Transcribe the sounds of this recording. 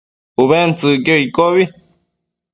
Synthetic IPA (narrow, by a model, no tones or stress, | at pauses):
uβent͡sɨkjoikoβi